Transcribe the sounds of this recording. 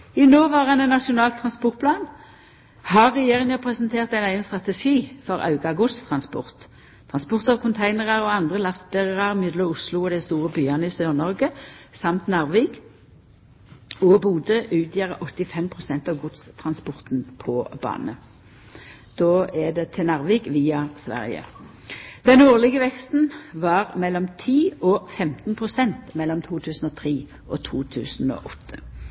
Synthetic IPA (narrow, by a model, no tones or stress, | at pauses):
ɪnoːʋɑːʁɑnɛnːɑʃʊnɑːlt̪ʰːʁɑnspɔʁt̪̚pʰlɑːn | hɑʁːɛjeːʁɪŋəpʰʁɛsnt̪ʰeːʁt̪æɪnæɪənst̪ʁɑt̪ɛʃiːfɔʁɑ̰ʉɡɑɡʊd̪st̪ʰʁɑnspɔ̰ʁt̪ | t̪ʰʁɑnspɔʁt̪əʁɔkʰʊnt̪ʰæɪnəʁɑʁɔɑnd̪ʁəlɑʁsbɛʁəʁɑʁmʏd̪ləʊslʊɔːd̪ɛst̪uːʁəbyːɑnəiːsøːʁnɔʁɡəsɑmt̪nɑːʁʋeːɡ | ɔbuːd̪əʔʉːt̪jeːʁəʔɔt̪ːɪfɛmpʰʁʊsɛnt̪ɑʋɡʊd̪st̪ʰʁɑnspɔʁt̪n̩pʰɔbɑ̰ːnə | d̪̥oːɛd̪ɛt̪ʰɪnɑʁʋeːɡʋiːɑsʋæ̰ʁjə̰ | d̪̥ɛnoːʁlɪɡəʋɛkst̪n̩ʋɑːʁmɛlːɔmt̪ʰiːɔfɛmt̪n̩pʰʁʊsɛnt̪mɛlːɔmt̪ʰuːt̪ʰʉːsn̩ɔːt̪ʰʁiː | ʔɔt̪ʰuːt̪ʰʉ̰ːsn̩ɔ̰ːʔɔt̪ʰːə̥